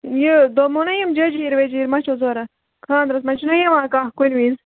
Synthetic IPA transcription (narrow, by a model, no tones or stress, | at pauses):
jid̪omunɐjimd͡ʒɐd͡ʒiːɾʋed͡ʒiːɾmɐt͡ʃʰozoːɾɐ | kʰaːnd̪ɾɐs̬mɐt͡ʃʰunɐjɐʋãːkaːhkunʋiz